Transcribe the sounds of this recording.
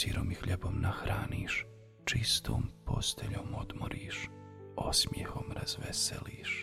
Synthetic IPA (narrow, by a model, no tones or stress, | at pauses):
siɾoːmixʎebomnaxɾʔaːniːʃ | t͡ʃist̪ʰoːmpʰo̞st̪eʎoːmo̞d̪moɾiːʃ | osmjexo̞mɾaz̥ʋeseliːʃ